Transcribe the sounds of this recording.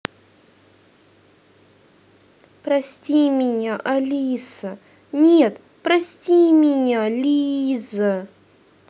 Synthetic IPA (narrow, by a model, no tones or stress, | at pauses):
pɾɐsʲtʲimʲɪnʲaʔɐlʲisə | nʲet̪ | pɾɐsʲtʲimʲɪnʲalʲizə